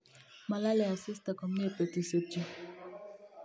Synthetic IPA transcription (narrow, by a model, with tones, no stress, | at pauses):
ma˨la˦le˨a˨sɪ˦sta˨kɔ˨m̩˦ne˦˨pe˨ti˨so˨t͡ʃi˦